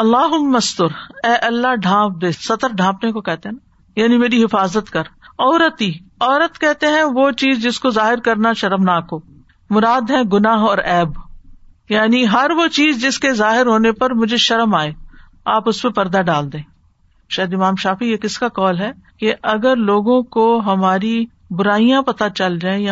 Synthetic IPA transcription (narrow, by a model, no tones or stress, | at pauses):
ɐlːaːɦʊmːɐst̪ʊɾɛːʔɐlːaɖʱãːp̚d̪eːsɐt̪əɾɖʱãːpnekokɛɦt̪eɦɛ̃na | jaːnimeːɾiɦɪfaːzət̪kɐɾɔːɾət̪iːɔːɾət̪kɛɦt̪eɦɛ̃ʋot͡ʃiːzd͡ʒɪskozaːɦɪɾkɐɾnaʃɐɾəmnaːkoː | mʊɾaːd̪ɦɛ̃ɡʊnaːɦɔːɾɛːb | jaːniɦɐɾʋot͡ʃiːzd͡ʒɪskezaːɦɪɾɦoːnepɐɾmʊd͡ʒʱeʃɐɾəmaːeː | aːpʊspepɐɾd̪aɖaːld̪ẽː | ʃɛːd̪ɪmaːmʃaːfijekɪskakɔːlɦɛː | keʔɐɡəɾloːɡõkoɦɐmaːɾi | bʊɾaːijãpɐt̪at͡ʃɐld͡ʒaːẽja